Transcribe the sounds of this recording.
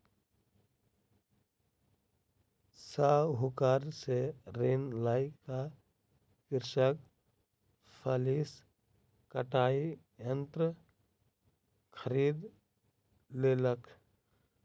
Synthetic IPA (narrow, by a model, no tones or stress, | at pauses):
saɦʊkaːɾseɾeːnlaːɪka | kɪɾʃək̚ | pʰəlis | kəʈaːi | jə̃nt̪ɾə | kʰəɾiːd̪ | leːləkʰ